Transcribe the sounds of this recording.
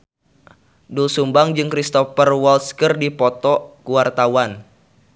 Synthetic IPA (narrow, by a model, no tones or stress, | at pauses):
dulsumbaŋd͡ʒɨŋkɾist̪ɔfərwɔlskərdipɔt̪ɔkuwart̪awan